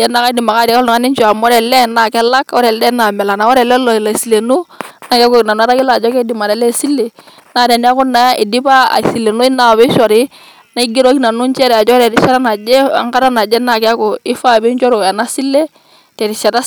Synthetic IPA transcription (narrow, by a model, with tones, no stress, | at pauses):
jɛ˦na˨ka˦di˨ma˨ka˦˨ɾi˨ka˦ln˨a˦ni˦ɲt͡ʃɔ˨a˨mɔ˦ɾɛ˨lɛ˦˨na˨kɛ˦la˦kɔ˦ɾɛ˨lɛ˦na˨mɛ˨la˨na˨wɔ˦ɾɛ˨lɛ˦lɔ˨la˨si˨le˨nu˦na˨˦kkɔ˨na˨na˨˦ɾa˦ki˦la˦a˨d͡ʒɔ˦kɛ˦di˨ma˨ɾɛ˨lɛ˦˨si˦lːe˨ | na˦˨ɾɛ˨ni˦a˦kʊ˦nːa˨˦ja˦ʔi˨di˦ba˦a̰˨si˨le˨nu˦i˦na˨βɛ˦ʃɔ˨ɾɪ˦ | na˦i˦ɡi˦ɾɔ˦ki˦na˨nu˦ɲt͡ʃɛ˦ɾɛ˨a˨d͡ʒɔ˦ɾɛ˨ɾi˦ʃa˦ɾa˦na˨d͡ʒɛ˦a̰˦ŋka˦ɾa˦na˨d͡ʒɛ˦na˨kɛ˦a˦kɔ˨ɪ˦fa˦˨bi˦ɲt͡ʃɔ˦ɾɔ˨a˨na˦si˦lːe˦ | tɛ˨ɾi˨ʃɛ˨ɾa˦